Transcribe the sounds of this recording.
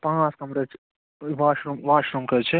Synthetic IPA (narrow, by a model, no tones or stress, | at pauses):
pãːskɐmɾet͡ʃʰ | ʋaːʃɾumʋaːʃɾumkɐt͡ʃʰe